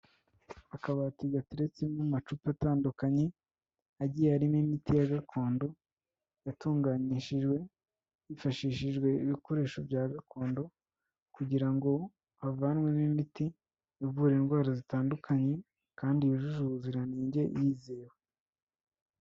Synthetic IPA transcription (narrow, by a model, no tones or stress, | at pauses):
akaβatiɡatiɾe̞t͡semumat͡ʃupataːndukaɲe̞ | aɟieaɾimimitijaɡakʰo̞ːndo̞ | jatuːŋɡaniʃiʒɡwe̞ | jifaʃiːʃiʒɡwe̞iβiko̞ɾe̞ːʃo̞vjaːɡakʰo̞ːndo̞ | kuɟiɾaŋɡo̞ | βavanwe̞nimiti | jivuːɾeːnɡwaːɾazitaːndukʰaɲe̞ | kaːndijoʒuʒuβuziɾaniːɲɟe̞jiːze̞ːwe